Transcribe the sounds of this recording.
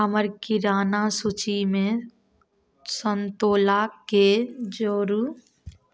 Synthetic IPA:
əməɾkiɾaːnasut͡ʃimẽ | sənt̪oːlaked͡ʒoːɾu

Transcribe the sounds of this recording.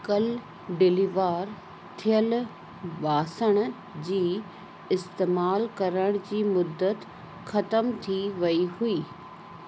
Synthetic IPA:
kɐl | ɖɪliʋaːɾ | t̪ʰijəl | ɓaːsəɽ̃ | d͡ʑiː | ɪst̪eːmaːlkɐɾəɽ̃d͡ʑiːmʊd̪ːət̪ | xɐt̪əmt̪ʰiʋɐihuiː

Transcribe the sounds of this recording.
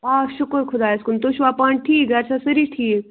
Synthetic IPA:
aːʃʊkəɾkʰʊd̪aːjskunt̪oʃʋapãːɳɖ̚ʈʰiːkɡɐɾsasəɾiʈʰiːk

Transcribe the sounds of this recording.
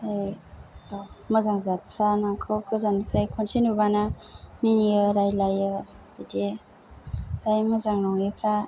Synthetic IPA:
aj | mazaŋzat̚pʰɾanaŋkʰɯwkʰɯzanipʰɾajkʰɔnsinubana | miniəɾajlajɯbide | ɾajmazaŋnɔŋipʰɾa

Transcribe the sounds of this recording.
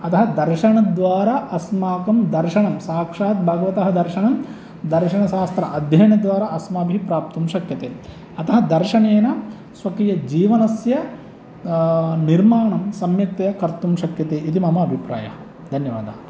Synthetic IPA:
ɐt̪ɐɦɐd̪ɐɾʃɐɳɐd̪ʋaːɾaʔɐsmaːkɐmd̪ɐɾʃɐɳɐmsaːkʂaːt̪̚bʱɐɡɐʋɐt̪ɐɦɐd̪ɐɾʃɐɳɐm | d̪ɐɾʃɐɳɐʃaːst̪ɾɐ̰ʔɐd̪ʱjɐjɐnɐd̪ʋaːɾaʔɐsmɐːbʱipɾaːp̚t̪umʃɐkjɐt̪eː | ɐt̪ɐɦɐd̪ɐɾʃɐneːnɐ | sʋɐkijɐd͡ʒiːʋɐnɐsjɐ | niɾmaːɳɐmsɐmjɐk̚t̪ɐjɐkɐɾt̪umʃɐkjɐt̪eːʔit̪imɐmɐːbʱipɾa̰ːjɐ̰ | d̪ʱɐnjɐʋa̰ːd̪ʱaː

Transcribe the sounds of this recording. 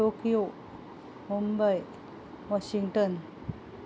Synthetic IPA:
okijo | mumbaj | ʋaʃiŋʈən

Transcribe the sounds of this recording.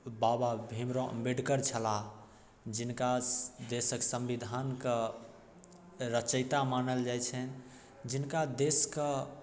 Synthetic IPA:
bababʱimɾõə̰mbeɖkəɾt͡ʃʰəla | d͡ʒinkad̪esəksə̃mbid̪ʱankə | ɾət͡ʃəɪt̪amanəld͡ʒajt͡ʃʰən | d͡ʒinkad̪eskə

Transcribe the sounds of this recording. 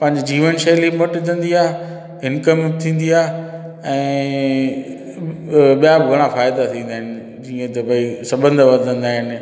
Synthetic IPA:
pɐ̃ɦɪ̃ɲd͡ʑd͡ʑiːʋənʃelimoʈit̪ʰə̃n̆d̪iaːɦ | ɪnkəmbt̪ʰĩːn̆d̪iaː | ɛ̃ː | ɓijabɪɡʱɐɽ̃afaːɪd̪at̪ʰĩːnd̪aːɦɪnɪ̆ | d͡ʑiə̃t̪ɐbɐisɐbə̃nd̪ʱʋɐɾd̪ʱə̃nd̪aːɦɪnɪ̆

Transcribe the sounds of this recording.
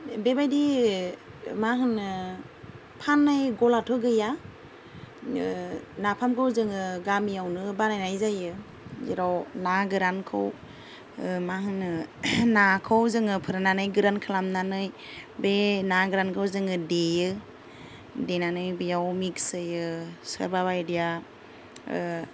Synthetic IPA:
bebajdi | maɦɯnɯ | pʰanːajɡɔlatʰɯɡɯja | napʰamkʰɯwzɯŋɯɡamijawnɯbanajnajzajɯ | zḛɾɔwnaɡɯɾankʰɯ̰w | mahɯnɯnakʰɯwzɯŋɯpʰɯɾɯnanɯjɡɯɾankʰɯlamnanɯj | benaɡɯɾankʰɯwzɯŋɯdejɯ | denanɯjbijawmiksɯjɯsə̰ɾbaβajdija

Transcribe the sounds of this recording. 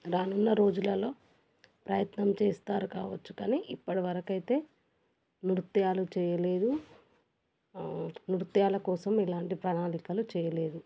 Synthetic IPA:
ɾaːnunːɐɾo̞ːd͡ʒulɐlo̞ː | pɾɐjɐt̪nɐmt͡ʃeːst̪aːɾukaːʋɐt͡ʃːukaːniʔipːɐɽiʋɐɾɐkɐjt̪e̞ː | nuɾt̪jaːlut͡ʃɛːjɐleːd̪u | nuɾut̪jaːlɐkɔːsɐmilaːɳʈipɾɐnaːɳikɐlut͡ʃɛːjɐle̞ːd̪u

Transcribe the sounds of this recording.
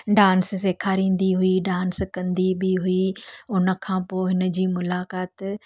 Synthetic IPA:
ɖãːnsseːkʰaːɾĩːn̆d̪iɦuiɖãːnskɐ̃nd̪ibɪiɦuiʊnə̆kʰãːpoːɦɪnə̆d͡ʑiːmʊlaːkaːt̪

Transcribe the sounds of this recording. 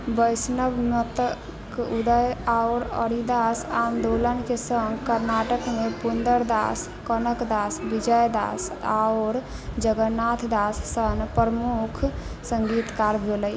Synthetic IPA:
bəjsnəbmət̪ə | kud̪əjaʊɾə̰ɾid̪asand̪olənkesəŋɡkəɾnaʈəkmepund̪əɾd̪a̰s | kənəkd̪asbid͡ʒəjd̪a̰sa̰oɾ | d͡ʒəɡənat̪ʰd̪asːənpɾəmukʰsəŋɡit̪kaɾbʱeləj

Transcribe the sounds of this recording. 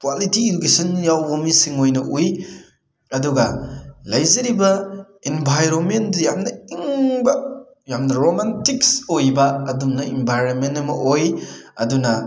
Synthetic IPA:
kwalitiikesɐnjawbomisiŋojnɐʔuj | ɐduɡɐlɐjzɐɾibɐ | inbʱajɾonmendɐjamnɐiŋbɐ | jamnɐɾomantiksojbɐɐdumnɐinbʱajɾonmenɐmɐʔojɐ̰dunɐ

